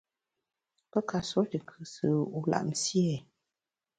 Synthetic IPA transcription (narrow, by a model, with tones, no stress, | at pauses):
pə˦ka˧so˦ti˨kʰɨ˨sɨ˨˦u˨˦la̰˨ʔm̩˨si˦e˨